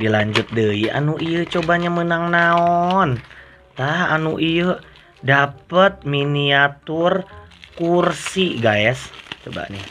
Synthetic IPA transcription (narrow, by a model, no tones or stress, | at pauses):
dilaɲd͡ʒʊt̪̚dəiʔa̰nuʔijət͡ʃobaɲamənaŋnaɔn | t̪aha̰nuʔijə | dapət̪̚miniat̪ʊrkursiɡaɛst͡ʃoba̰nɪ